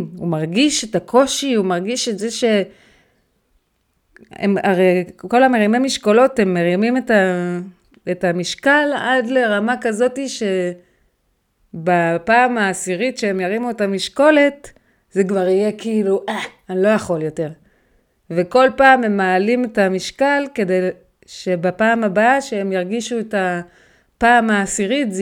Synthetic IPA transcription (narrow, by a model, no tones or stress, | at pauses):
umaʁɡiʃetakʰo̞ʃiumaʁɡiʃetzeʃe̞ | ḛmaʁeko̞lameʁimemiʃkolo̞te̞mːeʁimimeta | etamiʃkaladle̞ʁamakazo̞tiʃe̞ | bapaːmaːsiʁitʃeemjaʁimuetamiʃko̞le̞t | zekvaʁije̞kiːluʔaanlo̞jaχo̞ljo̞te̞ʁ | veko̞lpaːme̞maːlimetamiʃkalke̞dej | ʃe̞bapaːmabaʃeemjaʁɡiʃueta | paːmaːsiʁitz